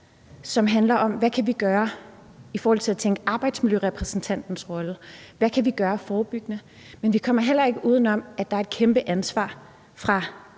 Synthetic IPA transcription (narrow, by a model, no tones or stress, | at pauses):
sɒ̽mɦænlɐʔɒ̽mʋækʰæʋiɡ̥ɶːɐ | ifɒːhɒl̰t͡sʰe̝læt͡sʰeŋɡ̥əʔɑ̈ːb̥ɑ̈ɪ̰d̥smiljøʁɛpʰʁɛsn̩t͡sʰæn̰d̥n̩sʁɒ̽ləʋækʰæʋiɡ̥ɶːɐfɒːb̥yɡ̥ənə | menʋikʰɒ̽m̰ɐɦel̰ɐe̝ɡ̥əʔuːð̞ˠn̩ɒ̽m̰æd̥ɑ̈æɐe̝d̥̚kʰemb̥əʔænsʋɑ̰̈ː | fʁɑ̈